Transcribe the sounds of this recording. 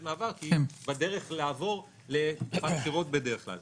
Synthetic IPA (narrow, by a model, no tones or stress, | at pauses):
maːvaʁkibad̪e̞ʁe̞χlaːvo̞ʁ | le̞matχiʁo̞t̪̚bed̪eʁeχkla̰l